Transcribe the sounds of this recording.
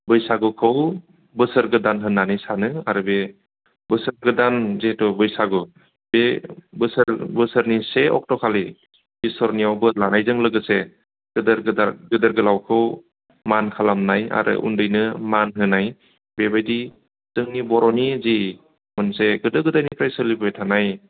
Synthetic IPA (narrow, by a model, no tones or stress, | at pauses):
bɯjsaɡɯkʰɯw | bɯsəɾɡɯdanɦɯnːanisanɯa̰ɾɯbe | bɯsəɾɡɯdanzetɔbɯjsaɡɯ | bebɯsəɾbɯsəɾniseɔ̰k̚tɔkʰali | bisɔɾnijawbɯlanajzɯŋlɯɡɯse | ɡ̥ɯdəɾɡɯdaɡɯdəɾɡɯlawkʰɯw | mankʰalamnaja̰ɾʔɯ̰ʔṵndɯjnɯmanɦɯnaj | bebajdi | z̥ɯŋnibɔɾɔnizi | mɯnseɡɯdɯɡɯdajnipʰɾajsɯlibɯjtʰanaj